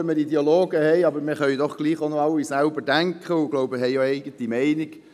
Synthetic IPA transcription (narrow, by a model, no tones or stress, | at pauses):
əmədidiɑloːɡəhɛɪɑbəɾmɪχœʏdɔχɡ̥liːχonoɑlːisælbədæŋkχəʊɡ̥loʊbəɦɛɪoɛɪɡ̥əntimɛɪniɡ̥